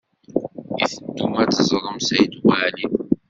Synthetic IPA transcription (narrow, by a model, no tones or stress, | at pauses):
ḭθənd̪umæt͡səzˤɾˤəmsæjd̪waːli